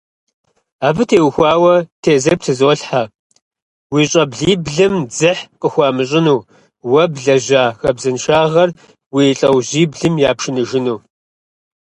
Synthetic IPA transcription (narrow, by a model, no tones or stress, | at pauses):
aːbɨtʰeːwxʷɑːwɐtʰeːzɐrp̚tʰɨzoːɬħa | wiːɕʼɐbɮiːbɮɨmd͡zɨħqʼəxʷɑːmɨɕ̬ʼɪnuː | wɐbɮɐʑʷaːxɐbzɨnʃaːʁɐr | wiːɬʼɐwʑiːbɮɨmjaːpʃɪnɨʒɪnuː